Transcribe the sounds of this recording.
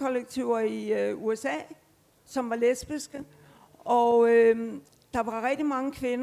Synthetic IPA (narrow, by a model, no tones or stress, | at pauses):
kɒleɡ̥̚t͡sʰiʊ̰ɐiuesɛ̰ː | sɒ̽mʋɑ̈lesb̥isɡ̥ə | ɒø | d̥ɑ̈ʋɑ̈ʁɛɡ̥̚d̥imɑ̈ŋəkʰʋe̝n